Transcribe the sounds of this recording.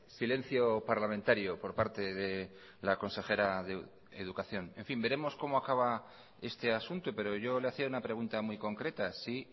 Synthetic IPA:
sile̞nθjo̞paɾlamẽnt̪aɾjopo̞ɾpaɾt̪e̞ðe̞ | lako̞nse̞xe̞ɾaðe | eð̞ukaθjo̞nẽ̞ɱfimbe̞ɾe̞mo̞sko̞moakaβ̞a | e̞st̪e̞asunt̪upe̞ɾo̞ʝo̞leaθiaunapɾe̞ɣ̞unt̪amujko̞ŋkɾe̞t̪asi

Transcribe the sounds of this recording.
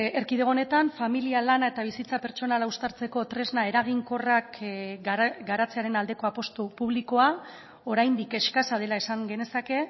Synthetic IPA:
eɾkiðeone̞t̪aɱfamilialanae̞t̪aβ̞isit͡sape̞ɾt͡ʃo̞nalaust̪aɾt͡se̞ko̞t̪ɾe̞znae̞ɾaɣ̞iŋko̞rak | ɡaɾat͡se̞aɾe̞nald̪e̞ko̞apo̞st̪upuβ̞liko̞a | o̞ɾajnd̪ike̞ʃkasað̞e̞laesaŋɡe̞ne̞sake̞

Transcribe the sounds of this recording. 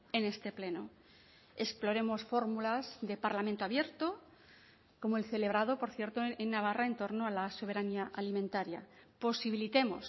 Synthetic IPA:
e̞ne̞st̪e̞ple̞no | e̞splo̞ɾemo̞sfo̞ɾmulazðe̞paɾlamẽnt̪oaβje̞ɾt̪o | ko̞moelθe̞le̞β̞ɾað̞o̞po̞ɾθje̞ɾt̪oenːaβ̞arae̞nt̪o̞ɾnoalaso̞β̞e̞ɾaniaʔalimẽnt̪aɾja̰po̞siβ̞ilit̪e̞mo̞s

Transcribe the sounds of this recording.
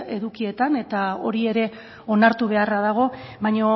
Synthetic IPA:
e̞ðukie̞t̪ane̞t̪ao̞ɾie̞ɾe̞ | o̞naɾt̪uβ̞e̞araðaɣ̞o̞βajɲo

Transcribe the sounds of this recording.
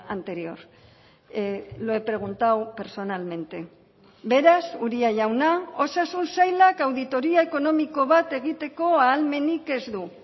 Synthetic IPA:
ant̪e̞ɾio̞̰ɾ | loepɾe̞ɣ̞unt̪awpe̞ɾso̞nalme̞nt̪e̞ | be̞ɾasuɾiaʝawnao̞sasunsajlakawðit̪o̞ɾiae̞ko̞no̞miko̞β̞at̪e̞ɣit̪e̞ko̞aːlme̞nike̞zd̪u

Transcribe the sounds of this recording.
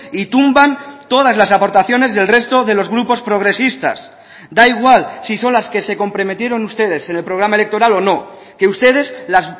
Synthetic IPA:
it̪umbant̪o̞ð̞azlasapo̞ɾt̪aθjo̞ne̞zðe̞lre̞st̪o̞ðe̞lo̞zɣɾupo̞spɾo̞ɣɾe̞sist̪a̰s | d̪aiɣ̞walsiso̞nlaske̞se̞ko̞mpɾo̞me̞t̪je̞ɾo̞nust̪e̞ðe̞se̞ne̞lpɾo̞ɣ̞ɾamae̞lek̚t̪o̞ɾalo̞no̞ | ke̞ust̪e̞ð̞e̞zlaz

